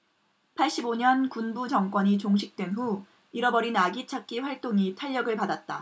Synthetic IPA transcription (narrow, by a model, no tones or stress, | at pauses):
pʰaɭɕ͈iboɲʌnkunbut͡ɕʌŋk͈wʌɲit͡ɕoŋɕʰik̚t͈we̞nɦu | iɾʌbʌɾinaɡit͡ɕʰak̚k͈iɸwaɭt͈oŋitʰaʎːʌɡɯɭpadat̚t͈a